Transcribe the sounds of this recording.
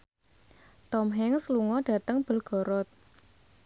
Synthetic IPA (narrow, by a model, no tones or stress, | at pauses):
t̪ɔmɦɛŋsluŋɔɖ̥a̤t̪əŋb̥ə̤lɡ̥ɔ̤ɾɔt̪̚